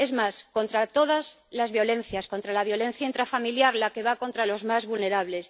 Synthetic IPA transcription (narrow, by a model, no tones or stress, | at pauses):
e̞zmasko̞nt̪ɾat̪o̞ðazlazβjo̞lẽ̞n̟θjasko̞nt̪ɾalaβ̞jo̞le̞n̟θjaint̪ɾafamiljaɾlake̞βako̞nt̪ɾalo̞zmazβulne̞ɾaβle̞s